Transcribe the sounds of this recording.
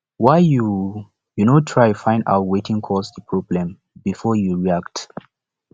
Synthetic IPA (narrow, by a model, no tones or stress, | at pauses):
waɪju | junotʰɹajufãɪ̃nda̰ʊtwetĩŋkʰɔsdəpʰɹɔblɛ̃m | bifɔjuɹiakt